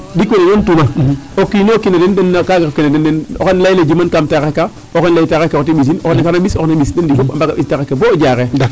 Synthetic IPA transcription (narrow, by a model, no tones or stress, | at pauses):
dikʷeneŋontumaokːinokinadendenːakaɡakinadendeno̰kenlailed͡ʒimankamtaɣekːa | okenlaitaɣekkotiɓis̬inokenkanaɓisoknaɓisdendikokambakaistaɣekːebod͡ʒaɣed